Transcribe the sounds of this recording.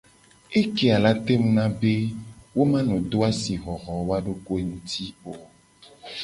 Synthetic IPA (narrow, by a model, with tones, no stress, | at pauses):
e˦ke˦a˨la˦t̪e˦mũ˦nã˦be˦wo˦mã˦nũ˨d̪o˦a˦si˨ɣɔ˨ɣɔ˨wa˦ɖo˦ko˦ŋũ˦t̪ʰi˦o˨